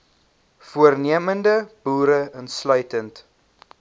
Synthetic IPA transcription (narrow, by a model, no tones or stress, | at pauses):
fuərniəməndəb̥uːɾəənslœɥtənt